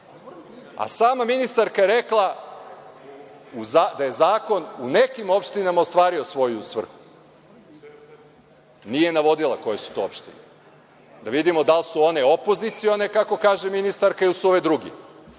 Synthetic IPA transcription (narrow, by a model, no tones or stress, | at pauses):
a̰saːmaminist̪aɾkajeɾeklˠa | uzad̪aje̞zaːko̞nune̞kimo̞pʃt̪inamaost̪ʋaːɾio̞sʋo̞jusʋr̩xu̥ | nije̞naʋo̞d̪ilˠako̞je̞su̥t̪o̞opʃt̪ine | d̪aʋid̪imo̞d̪alsuo̞ne̞o̞po̞zit̪sio̞ne̞kako̞kaːʒeminist̪aɾkailsuo̞ʋed̪ɾuɡḭ